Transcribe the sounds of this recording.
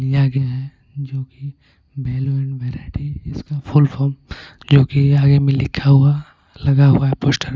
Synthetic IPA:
ijaɡɛjaɦɛ | d͡ʒoːki | bɛːloɛ̃ɳɖʋɛːɾaːɪʈiɪskafʊlfɔːɾm | d͡ʒoːkiaːɡemẽlɪkʰaɦʊa | lɐɡaɦuaɦɛpoːsʈəɾ

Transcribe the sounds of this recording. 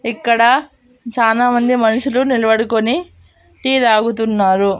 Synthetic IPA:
ikːɐɽɐ | t͡ʃaːlaːmɐnd̪imɐnɐʂulunilɐbɐɽukoni | ʈiːd̪aːɡut̪̬unːaːɾu

